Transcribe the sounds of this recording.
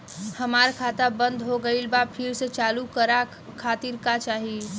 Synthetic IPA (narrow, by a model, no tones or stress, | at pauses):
həmaɾkʰat̪abə̃nd̪ɦoɡəɪlbapʰiɾset͡ʃaːlukəɾa | kʰat̪iɾkat͡ʃaːɦi